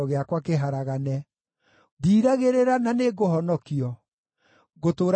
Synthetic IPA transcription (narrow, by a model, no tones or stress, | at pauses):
ɔɣeakwakeɦaɾaɣanɛ | ðiːɾaɣeɾeɾananeɣoɦɔnɔkiɔ | ɣotoːɾ